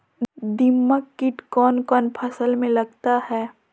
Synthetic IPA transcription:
d̪ɪmːəkkːɪʈkɔːnkɔːnpʰəsəlmẽlɐɡt̪ahɛː

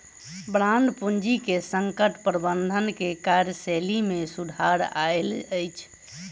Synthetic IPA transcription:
bɾanɖpund͡ʒikesəŋkəʈpɾəbənd̪ʱənkekaɾjəselimesud̪ʱaɾa̰eləjt͡ʃʰ

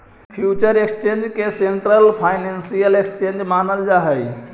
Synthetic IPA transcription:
pʰjut͡ʃəɾekst͡ʃend͡ʒkeseɳʈɾəlpʰajnensijəlekst͡ʃend͡ʒmanəld͡ʒaɦəj

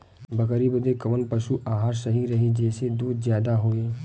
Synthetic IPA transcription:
bɐkəɾibəd̪ekɐʋənpɐʃuʔaːɦaːɾsɐɦiɾɐɦid͡ʒɛːsed̪uːd̪zjaːd̪aɦoːeː

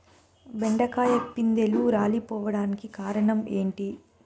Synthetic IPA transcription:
beɳɖɐkaːjɐpːind̪e̞luɾaːlipɔːʋɐɽaːnikikaːɾɐɳɐme̞ːɳʈi

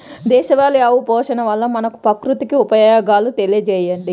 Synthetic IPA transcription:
d̪ɛːʃɐʋaːljaːʋupɔːʃɐnɐʋɐlːɐmɐnɐku̥pɐkɾut̪ikiupɐjaːɡaːlut̪e̞lijɐd͡ʒɛːjɐɳɖi

